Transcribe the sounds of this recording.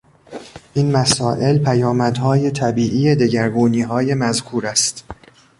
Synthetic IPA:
ʔinmæsɒːʔe̞lpʰæjɒːmæd̪hɒːje̞t̪ʰæbiːʔiːjed̪eɟæɾɡuːniːɦɒːje̞mæzkʰuːɾæst̪

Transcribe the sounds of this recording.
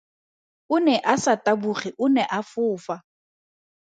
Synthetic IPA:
ʊnɛʔasatʼabuχiʔʊnɛʔafʊːfa

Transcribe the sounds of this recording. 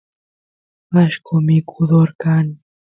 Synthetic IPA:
aʃkʊmɪkʰʊd̪oɾkaŋ

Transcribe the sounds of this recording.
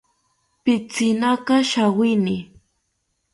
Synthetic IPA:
pɪt͡sɪnakɑʃawɪnɪ

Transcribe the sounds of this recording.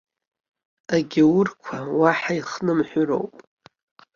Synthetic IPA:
aɡʲawʊrkʷʰawaħaiχnɨmħʷʊɾo̞̰wpʼ

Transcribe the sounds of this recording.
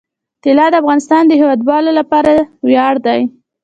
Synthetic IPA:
t̪ɪlɑd̪əafɣɑnɪst̪ɑnd̪əɦewɑd̪wɑlolapɑɾawjɑɽd̪aj

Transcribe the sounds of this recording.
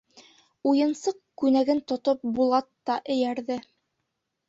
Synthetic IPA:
ujɤ̆nsɤq̚kʉnæɡɘnt̪ŏt̪op̚bulˠɑt̪ːɑʔɘ̆jæɾðɘ

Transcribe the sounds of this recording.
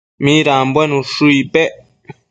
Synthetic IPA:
mĩɾambwenũʂuipeʔ

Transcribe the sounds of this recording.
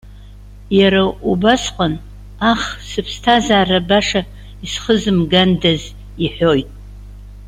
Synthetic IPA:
jaɾaubasqʼən | aχsɨpʰstʰazaːrabaʂa | isχəzɨmɡandaz | iħʷo̞jtʼ

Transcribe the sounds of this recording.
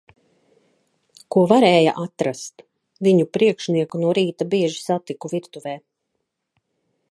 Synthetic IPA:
kuɔvaɾɛːja̰ʔat̪ɾast̪ | viɲupɾiɛkʃniɛkunuɔɾiːt̪abiɛʒisat̪ikuviɾt̪uvɛː

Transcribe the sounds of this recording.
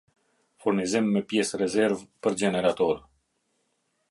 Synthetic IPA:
fuɾnizimːɛpjɛsrɛzɛɾvpəɾd͡ʑɛnɛɾat̪ɔɾ

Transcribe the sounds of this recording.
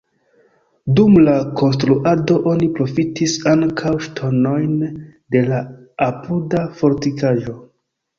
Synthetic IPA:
dumlako̞ns̬tɾuʔado̞ʔo̞nipɾo̞fitʰisaŋkʰawʃtʰo̞no̞jnde̞la | apʰudafo̞ɾtikaʒo̞

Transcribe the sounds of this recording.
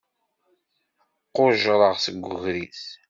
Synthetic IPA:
qːoʒɾˤəʁsəɡʷːʊɣɾiθ

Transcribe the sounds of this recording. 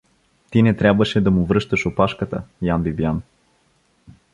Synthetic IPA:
t̪inɛt̪ɾʲabvəʃɛd̪ɐmʊvɾɤʃt̪əʃopaʃkət̪ə̰janbibijan

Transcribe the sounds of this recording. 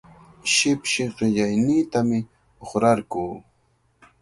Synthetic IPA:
ʃɪpʃɪɢɪʎajniːt̪amɪ | oχɾaɾkuː

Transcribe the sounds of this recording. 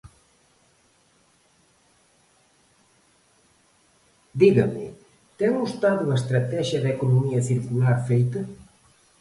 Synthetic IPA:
d̪iɣɐmɪ̰ | t̪ɛŋust̪aðuɐest̪ɾɐt̪ɛʒjɐðekonomiɐθiɾkulaɾfejt̪ɐ

